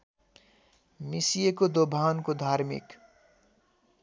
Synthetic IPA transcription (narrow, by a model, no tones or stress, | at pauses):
misijekod̪obʱaːnkod̪ʱaːɾmḭk